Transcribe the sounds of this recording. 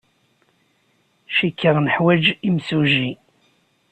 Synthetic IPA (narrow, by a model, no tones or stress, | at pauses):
ʃikːəɾnəħwæd͡ʒimsuʒi